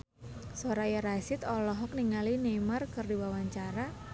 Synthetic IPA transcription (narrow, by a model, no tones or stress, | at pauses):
soɾajaɾasɪt̪ɔlɔɦɔk̚niŋalinemarkɨrdiwawaɲt͡ʃaɾa